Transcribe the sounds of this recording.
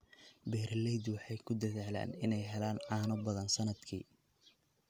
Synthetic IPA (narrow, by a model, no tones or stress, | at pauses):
bɛːɾlɛjd̪wɑħɑjkʰʊd̪ɐðɛʕla̰ːnɪnɛjɦɛlaːnaːnɔbɐðɐnsɐnɐd̪kʰḭː